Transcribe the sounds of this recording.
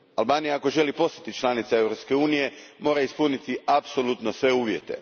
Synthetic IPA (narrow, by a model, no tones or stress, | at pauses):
a̰lbaːnijaako̞ʒe̞lipo̞st̪at̪it͡ʃlˠanit̪sae̞ʋɾo̞pske̞uːnije̞mo̞ːɾaispunit̪iapsolut̪nosʋe̞uːʋje̞t̪e̞̰